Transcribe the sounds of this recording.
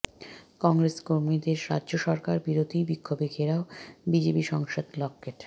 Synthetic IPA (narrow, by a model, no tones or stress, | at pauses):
kɔŋɾeskoɾmid̪eɾɾa̰dːʑoʃɔɾkaɾbiɾod̪ʱibikʰːobekʰeɾaobid͡ʑepiʃɔŋʃod̪lɔkːeʈ